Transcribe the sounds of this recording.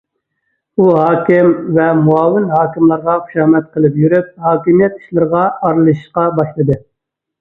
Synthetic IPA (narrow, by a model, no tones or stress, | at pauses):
uɦɑːkʲɪmvɛmuɑːwɪnɦɑːkʲimlˠɑɾʁɑχu̥ʃɑːmɛt̪̚qʰəlˠɨpjyɾyp̚hɑːkʲimijɛt̪i̥ʃlˠɨɾəʁɑɑɾlˠɨʃiʃqɑbɑʃlˠɨd̪ɨ